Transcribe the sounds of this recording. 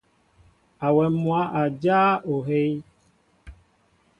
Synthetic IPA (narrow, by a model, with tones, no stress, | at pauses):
a˨wɛ˨mũ˦a˦ʔa˨d͡ʒa˦o˨ɦe˦j